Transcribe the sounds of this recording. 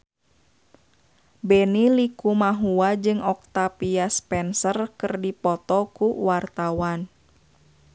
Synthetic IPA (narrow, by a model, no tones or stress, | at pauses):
bɛnilikumaɦuad͡ʒɨŋɔk̚t̪apiaspɛnsərkɨrdipɔt̪ɔkuwart̪awan